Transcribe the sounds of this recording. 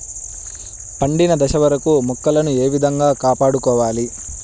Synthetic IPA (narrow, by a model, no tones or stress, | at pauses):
pɐɳɖinɐd̪ɐʃɐʋɐɾɐkumɔkːɐlɐnue̞ːʋid̪ʱɐŋɡaːkaːpaːɽukɔːʋaːli